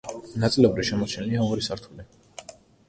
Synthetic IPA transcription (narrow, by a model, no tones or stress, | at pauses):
nat̪sʼlɛbɾiʃɛmɔt͡ʃʰniliaɔɾisaɾt̪ʰuli